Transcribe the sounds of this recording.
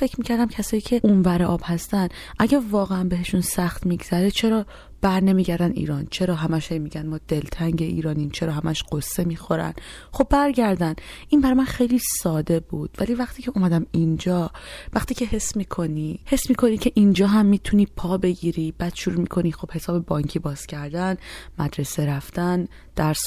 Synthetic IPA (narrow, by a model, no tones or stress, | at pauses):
fe̞cʰɾmiːcʰæɾd̪æmcʰæsɒːjiːcʰe̞ʔunvæɾeʔɒːb̥hæst̪æn | ʔæɟævɒːɣeænbeɦe̞ʃunsæxt̪miɡz̥æɾet͡ʃʰe̞ɾɒː | b̥æɾne̞miːɟæɾd̪ænḭːɾɒːnt͡ʃʰe̞ɾɒːɦæmæʃhejmiːɟænmɒːd̪̥e̞lt̪ʰæŋɟe̞ʔḭːɾɒːniːmt͡ʃʰeɾɒːɦæmæʃɢ̥o̞sːe̞miːxo̞ɾæ̰n | χo̞bːæɾɟæɾd̪ænʔinbæɾɒːjmænxejliːsɒːd̪e̞buːd̪̥væliːvæχt̪ʰiːcʰe̞umæd̪æmind͡ʒɒːvæχt̪iːcʰeɦe̞sːmiːkʰo̞nihe̞sːmiːkʰo̞nicʰe̞ʔind͡ʒɒːɦæmːiːt̪ʰuniːpʰɒːbe̞ɟiːɾib̥æːd̪̥ʃuɾuːmikʰo̞nixo̞b̥he̞sɒːbe̞bɒŋcʰiːbɒːz̥cʰæɾd̪ænmæd̪ɾe̞seɾæft̪æn | d̪̥æɾs